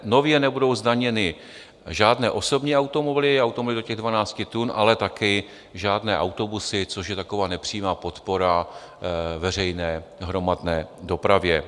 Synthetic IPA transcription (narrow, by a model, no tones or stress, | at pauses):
no̞vjɛnɛbudo̞wzdaɲɛnɪ | ʒaːdnɛːʔo̞so̞bɲiːawt̪omoblɪawt̪omblɪdocɛɣdvanaːt͡scɪt̪unʔa̰lɛt̪akɪ | ʒaːdnɛːʔawt̪o̞busɪt͡so̞ʃjɛt̪ako̞vaːnɛpr̝̥iːmaːpo̞t̪poɾa | vɛr̝ɛjnɛːɦɾo̞madnɛːdo̞pɾavjɛ